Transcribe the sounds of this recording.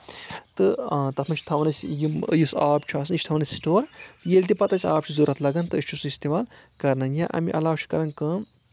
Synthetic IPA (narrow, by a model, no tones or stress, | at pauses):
t̪ɨt̪ɐt̪ʰmɐnt͡ʃʰu̥t̪ʰɐʋnɐsʲjimɨ̰jusaːbt͡ʃʰuaːsɨnɨt͡ʃʰt̪ʰɐʋnɐsʲsʈoːɾt̪ɨjelʲt̪ipɐt̪ɐsʰʲaːp̚t͡ʃʰuzuɾɐt̪lɐɡɐnt̪ɨɨʃt͡ʃʰusist̪emaːlkɐɾnɐnjãʔɐ̰miʔɐlaːwt͡ʃʰu̥kɐɾɐnkɨ